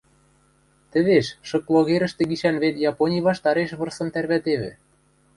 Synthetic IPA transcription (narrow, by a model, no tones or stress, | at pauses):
t̪ɘ̆βeʃʃɤ̆klˠoɣeɾə̆ʃt̪ĕɡiʃænβet̪jɑponʲijβɑʃt̪ɑɾeʃβɤ̆rsɤ̆mt̪ærβæt̪eβɘ̰̆